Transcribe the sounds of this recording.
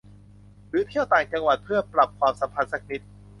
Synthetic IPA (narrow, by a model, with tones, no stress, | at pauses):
ɾɯː˨˦˥t̪ʰi˥˩əwt̪aː˨˩ŋt͡ɕa˧ŋwa˨˩t̪̚pʰɯ˥˩ɐpɾa˨˩p̚kʰwaː˧msa˨˦mpʰa˧n̚sa˦˥k̚ni˦˥t̪̚